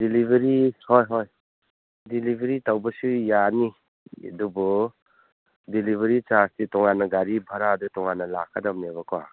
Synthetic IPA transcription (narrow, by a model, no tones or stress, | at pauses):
dilibʱeɾihojɦoj | dilibʱeɾitawbɐsujanḭ | dubɔ | dilibʱeɾit͡ʃastitɔŋanːɐɡaɾibʱaɾadutɔŋanɐla̰kʰadamnebaka̰